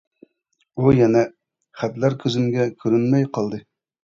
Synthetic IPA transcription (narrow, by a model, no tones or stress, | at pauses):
ujɛnɛ | χæt̪læɾkʲʰøzymɡʲɛkʲʰyɾynmɛjqʰɑlˠd̪ɨ